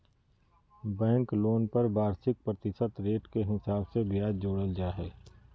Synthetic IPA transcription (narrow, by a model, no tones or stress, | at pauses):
bɛ̃ːŋkloːnpɐɾbaːɾsɪk̚pɾət̪ɪsət̪ɾeːʈkeɦɪsaːbsebjaːd̪d͡ʒoːɽəld͡ʒaːɦɛː